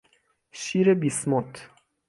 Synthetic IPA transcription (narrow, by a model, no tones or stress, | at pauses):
ʃiɾebismot̪